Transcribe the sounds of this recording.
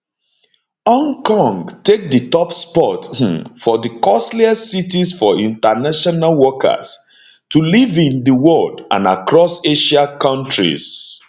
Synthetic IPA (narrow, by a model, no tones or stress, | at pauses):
ɔ̃ŋkɔ̃ŋɡtek̚dətɔpspɔtfɔðəkɔsliasitisfɔĩntanaʃɔnalwɔkə̰s | tulivĩndəwɔldã̰na̰kɹɔseʃakãntɹḭz̥